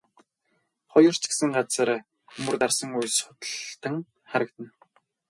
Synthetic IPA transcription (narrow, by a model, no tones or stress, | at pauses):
χɔjɞ̆r̥t͡ɕɡe̥sɘ̆ŋɢat͡sə̆r | xɵmɵ̆rt̪arsə̆ŋujsʊt̪ə̆ɮt̪ə̆ŋ | χaɾə̆kt̪ə̆n